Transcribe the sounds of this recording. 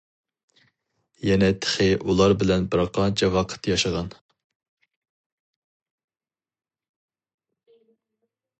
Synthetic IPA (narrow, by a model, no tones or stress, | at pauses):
jɛnɛt̪ʰə̥χɪʔulˠɑɾbɪlɛnbɨɾɑqɑnt͡ʃʰɛwɑqʰə̥t̪jɑʃəʁɑn